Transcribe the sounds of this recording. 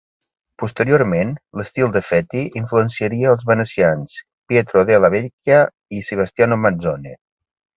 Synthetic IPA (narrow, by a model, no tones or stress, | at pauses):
pust̪əɾioɾmenləst̪ilˠd̪əfɛt̪iiɱfluənsiəɾiəːlˠzβənəsians | pjet̪ɾoðealaβeɾkja | isəβ̞əst̪ianomazone